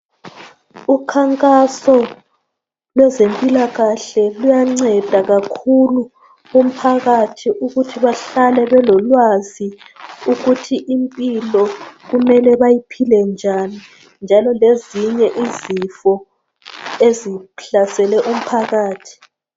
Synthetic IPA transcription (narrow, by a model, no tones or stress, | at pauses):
ukʰaŋkʼasɔ | lwɛzempʼilaɣaɬɛlujaŋ͡ǀɛd̥ʱaɣakʰulu | um̩pʰaɣatʰiʔuɣutʰiβaɬalɛβɛlɔlwazi | uɣutʰiʔimpʼilɔɣumɛlɛβajipʰilɛnd͡ʒʱani | nd͡ʒʱalɔleziɲɛʔizifɔ | eziɬasɛlɛʔum̩pʰaɣaːtʰi̥